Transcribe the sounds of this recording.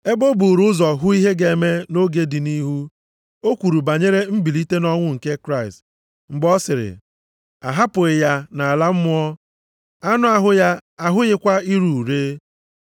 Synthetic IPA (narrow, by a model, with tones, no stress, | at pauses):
e˦bo˦bu˨ɾu˦ʊ˦zɔ˨ɦʊ˦i˦ɦe˦ɡe˨e˨me˦no˦ɡe˦dɪ˨ni˦ɦu˦ | o˦kʷu˨ɾu˨ba˨ɲe˦ɾe˦m̩˦bi˨li˦te˦nɔ˦ŋʷʊ˦ŋ̩˨ke˦kɾa˦˨ɪ˨st | ŋ͡m̩˨ɡ͡bɔ˦sɪ˨ɾɪ̰˨ | a˨ɦa˦pʊ˨ɪ˨ja˦na˨a˨la˦m̩˦mʊ˦ɔ˦ | a˦nʊ˦a˦ɦʊ˦ja˦a˨ɦʊ˦ɣɪ˦kʷa˦i˦ɾu˨u˨ɾeː˦